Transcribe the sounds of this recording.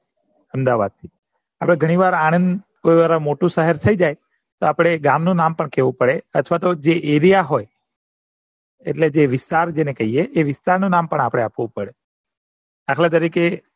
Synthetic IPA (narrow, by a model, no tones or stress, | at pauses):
əmd̪aʋad̪̚t̪ʰi | apɽ̃eɡʱəɽ̃iʋaɾaɽ̃ənd̪ | koiʋaɾamoʈũsəɦɛɾt̪ʰəid͡ʒaj | t̪oapɽ̃eɡamnũnampəɳkeʋũpəɽeət̪ʰʋat̪od͡ʒeʔeɾijaɦoj | ḛʈled͡ʒeʋɪst̪aɾd͡ʒenekəɦieʔːʋɪst̪aɾnũnampəɳapɽ̃eapʋũpəɽe | akʰɭãt̪̬əɾike